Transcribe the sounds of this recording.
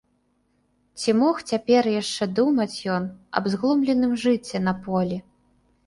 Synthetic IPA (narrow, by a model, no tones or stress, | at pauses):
t͡sʲimɔxt͡sʲapʲɛrjaʂt͡ʂɛd̪umɐt͡sʲjɔnɐ̰bzɣlˠɔmlʲɛnɨmʐɨt͡sʲːɛnɐpɔlʲi